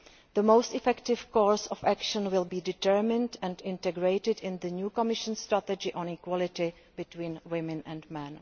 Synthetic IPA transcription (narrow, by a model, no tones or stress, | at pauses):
ðəmoʊstɪfɛktɪv̥kɔːɹsɔfækʃə̃nwɪlbiːdɪtɛɹmɪ̃ndɛ̃ndɪ̃ntɛɡɹejtɪdɪ̃nðənjuːkɔmɪʃə̃nstɾatɛd͡ʒɪʔɔ̃nikwɔlɪtɪ | bɪtwĩːnwɪmɪ̃nɛ̃nmɛ̃n